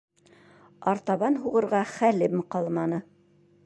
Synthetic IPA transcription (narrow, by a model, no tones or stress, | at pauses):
ɑɾt̪ɑβɑnɦuʁɤ̆ɾʁɑχælɘmqɑlˠmɑnɤ